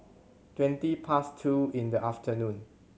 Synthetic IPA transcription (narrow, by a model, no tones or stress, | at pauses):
twɛ̃ntipʰastʰuĩndəʔaftʰənũn